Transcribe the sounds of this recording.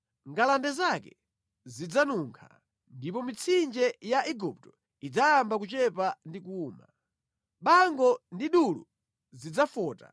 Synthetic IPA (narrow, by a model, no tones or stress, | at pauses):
ŋɡalandɛzakɛ | zid͡zanuːŋkʰa̰ | ndipɔmit͡sʰind͡ʒɛjaʔiɡup̚tɔ | id͡zajambak̬ut͡ʃɛpandikuːma | ɓaŋɡɔndiɗulṵ | zid͡zafɔːta̰